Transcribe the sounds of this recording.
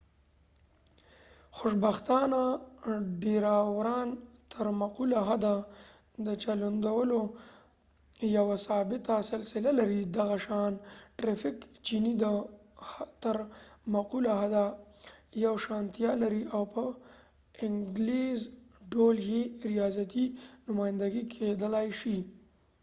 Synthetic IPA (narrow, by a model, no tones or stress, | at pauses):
xʊʃbaxt̪ɑna | ɖeɾawɾɑnt̪ʰəɾmaqulaɦad̪a | d̪ət͡ʃaland̪awəlo | jawasɑbɪt̪asɪlsɪlalaɾid̪aɣaʃɑnʈɾafɪkt͡ʃinid̪ə | t̪əɾmaqulaɦad̪a | jawʃɑnt̪jɑlaɾiʔawpə | ɪŋɡlezɖoljeɾijɑzat̪inʊmɑjɪnd̪aɡikʰed̪əlajʃi